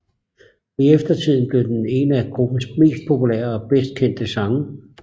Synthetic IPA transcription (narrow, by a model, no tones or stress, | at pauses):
iefd̥ɐt͡sʰið̞̰ˠn̩b̥le̝ʊd̥ene̝ːnæɡ̥ʁob̥n̩sme̝̰ːsd̥̚pʰo̝pʰulḛɐɒ̽b̥esd̥̚kʰen̰d̥əsɑ̈ŋə